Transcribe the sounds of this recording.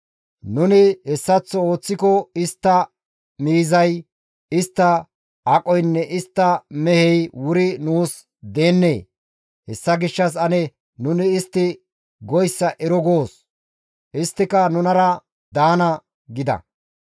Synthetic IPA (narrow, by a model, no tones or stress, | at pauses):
nʊnɪɛsːɐt͡sːɔoːt͡sːɪkɔɪst̪ːɐ | miːzɐj | ɪst̪ːɐ | ɐkʼɔjnːɛʔɪst̪ːɐmɛhɛjwʊɾɪnuːs | d̪e̞ːnːeː | hɛsːɐɡɪʃːɐs̬ɐnɛ | nʊnɪːst̪ːɪ | ɡɔjsːɐʔɛɾɔɡo̞ːs | ɪst̪ːɪkɐnʊnɐɾɐ | d̪aːnɐ | ɡɪd̪ɐ̰